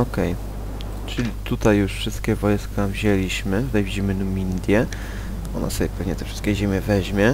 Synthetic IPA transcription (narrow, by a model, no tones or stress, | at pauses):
ɔkɛj | t͡ʂɘlʲit̪ut̪ajːuʂfʂɘst̪̚kʲɛvɔjskavʑelʲiɕmɘvɛd͡ʑimɘnumʲind̪ʲjɛ | ɔ̰na̰sɔbʲjɛpɛvɲɛt̪ɛfʂɘ̥st̪kʲɛʑemʲjɛvɛʑmʲjɛ